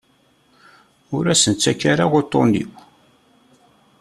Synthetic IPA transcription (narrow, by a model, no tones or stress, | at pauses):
ʊɾæsənt͡sːækːaɾawot̪ˤːonḭw